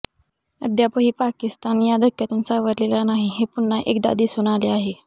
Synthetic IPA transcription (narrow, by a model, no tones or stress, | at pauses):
ə̰d̪ʱjapəɦiːpakist̪anjad̪ʱəkʰːjat̪unsaʋəɾlelanaɦiɦepun̤ːaʔekd̪a̰d̪iːsuɽ̃aleaɦe